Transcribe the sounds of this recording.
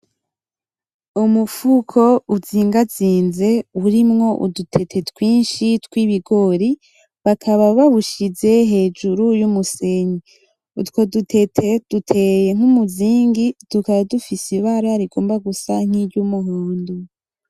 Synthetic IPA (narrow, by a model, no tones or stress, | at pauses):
umufukʰo̞uziːŋɡat͡siːnze̞uɾimŋo̞ʔṵdutʰe̞tʰe̞tkwiːnʃitkwiβiɡo̞ɾi | βakʰaβaβaβuʃize̞ɦe̞ːd͡ʒuɾujumuse̞ɲi | ṵtko̞dutʰetʰed̥utʰejeŋ̥umuziːŋɡitukaβadufisiβaɾaɾiɡo̞ːmbaɡusaŋ̥iɾɟumuɦuːndu